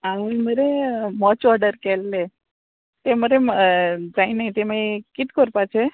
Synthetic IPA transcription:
aʋiməɾemɔt͡ʃɔɾɖəɾkɛlːe | t̪eməɾe | d͡zainait̪eməekit̪kəɾpat͡ɕʰe

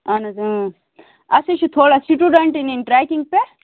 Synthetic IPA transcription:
ɐnɐzɐ | ɐsiʃut̪ʰoːɽasiʈuɖaɳʈininʈɾaːkiŋɡ̚pe

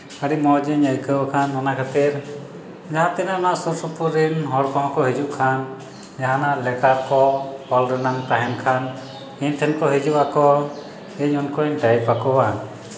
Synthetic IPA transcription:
aɽimɔd͡ʒiɲəjkəwakʰanɔnakʰat̪iɾ | d͡ʒaɦãt̪ɛnaɔnaʔsuɾsupuɾinɦɔɽkɔɦɔ̃kɔɦid͡ʒuʔkʰan | d͡ʒaɦãnaʔlɛkaɾkɔhɔlɾɛnaŋt̪aɦɛnkʰan | iɲt̪ʰɛnkɔɦid͡ʒuʔakɔ | iɲɔnkɔiɲɖajpakɔwa

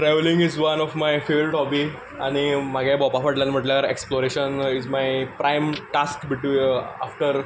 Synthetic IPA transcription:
ʈɾɛʋlĩŋɡizʋənɔfmajfeʋəlʈɦɔbi | aɽ̃imaɡʱabɔpafəʈlanm̤əʈljaɾḛksploɾeɕənizmajpɾajmʈaskbiʈia̰fʈəɾ

